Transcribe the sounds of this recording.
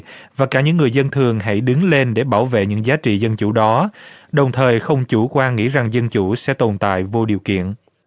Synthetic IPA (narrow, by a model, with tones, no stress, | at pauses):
vaː˨˩kaː˧˩ɲɨ̰˧˥ŋːɨ˨˩əjzə˧nt̪ʰɨ˨˩əŋɦa̰˧˥˩jɗɨ˨˦ŋle˧nɗe˧˩ɓaː˧˩wvḛ˧˨ɲɨ̰˧˥ŋzaː˨˦t͡ɕḭ˧˨zə˧nt͡ɕu˧˩ɗɔ˨˦ɗə˨˩wŋ͡mt̪ʰəː˨˩jxə˧wŋ͡mt͡ɕu˧˩kwaː˧ŋḭ˧˥za˨˩ŋzə˧nt͡ɕu˧˩sɛ̰˧˥t̪o˨˩nt̪a̰ː˧˨jvo˧ɗi˨˩əwkḭ˧˨ən